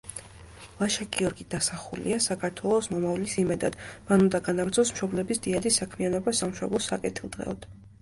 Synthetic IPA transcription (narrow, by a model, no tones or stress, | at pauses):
lˠaʃaɡiɔɾɡid̪̥asaχulḭasakʰaɾt̪ʰwɛlˠɔsmɔmavlisimɛd̪a̰d̪̥manund̪aɡanaɡt̪sʰɔsmʃɔblɛbisd̪̥iad̪isakʰmianɔbasamʃɔ̰blˠɔsakʼɛt̪ʰilˠd̪̥ʁɛ̰ɔd̪̥